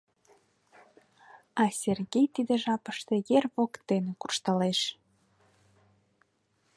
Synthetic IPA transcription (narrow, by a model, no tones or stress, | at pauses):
ɑsʲerɣejt̪id̪eʒɑpəʃt̪ejerβokt̪enekurʃt̪əleʃ